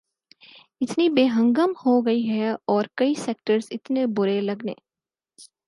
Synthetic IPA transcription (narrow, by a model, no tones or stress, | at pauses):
ɪt̪nibeːɦə̃ŋɡəmhoɡɐiɦɛɔːɾkɐiseːk̚ʈəɾsɪt̪nebʊɾelɐɡnḛː